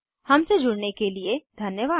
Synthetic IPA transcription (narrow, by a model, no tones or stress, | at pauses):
hɐmsed͡ʒʊɽnekelied̪ʱɐnjəʋaː